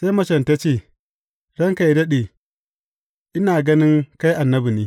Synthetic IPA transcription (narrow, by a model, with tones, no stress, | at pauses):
sa˦jmɐ˦ʃɐ˨nta˦t͡ʃeː˦˨ | dɐ˦ŋka˨jdɐ˦ɗeː˨ | ʔɪ˦naː˨ɡɐ˦nɪ˦ŋka˦jʔa˨nːɐ˦bu˨niː˦